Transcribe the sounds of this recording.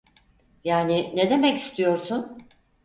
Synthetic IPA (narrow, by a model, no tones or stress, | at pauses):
jaːnɪned̪e̞mɛci̥st̪ʰijo̞ɾsun